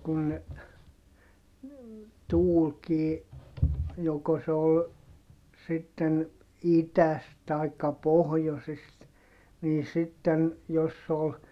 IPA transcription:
kun ne tuːlkiː joko se ol sitːen itæst tɑikːɑ pohjosist niː sitːen jos se ol

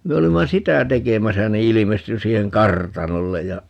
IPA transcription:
me olimːɑ sitæ tekemæsæ ni ilimesty siːheŋ kɑrtɑnolːej jɑ

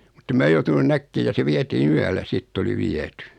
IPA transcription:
mutːem mæː joutunun nækːeː jɑ se ʋietiːn yælːæ sitː oli ʋiety

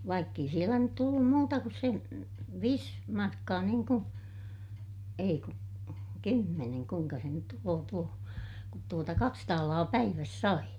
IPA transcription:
ʋɑikː ei sielæ nyt tulːum muːtɑ kus sen̞ ʋiːs mɑrkːɑː niːŋ ku ei ku kymːeneŋ kuiŋkɑ se nyt tuloː tuo kut tuotɑ kɑks tɑːlɑː pæiʋæs sɑi

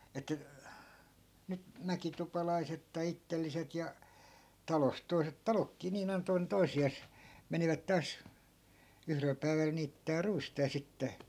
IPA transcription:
etːæ̆ nyt mækitupɑlɑiset tɑi itːelːiset jɑ tɑlost̆ toi̯set tɑlokːiː niːn ɑinɑ̆ toinen toisiɑˑs meniʋæt tɑːs yhrel pæi̯ʋæl niːtːæː ruistɑ jɑ sitːe

